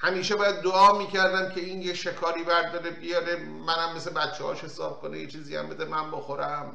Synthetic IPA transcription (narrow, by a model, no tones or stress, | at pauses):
hæmiːʃebɒːjæd̪ːoɒːmiːcʰæɾd̪æmcʰe̞iːnjeʃekʰɒːɾiːbæɾd̪ɒːɾebijɒɾe | mænæmːe̞sebæt̪t͡ʃʰːehɒ̰ːʃhe̞sɒ̰ːb̥̚kʰonejet͡ʃʰiːziːæ̰mbe̞d̪emænboxoɾæm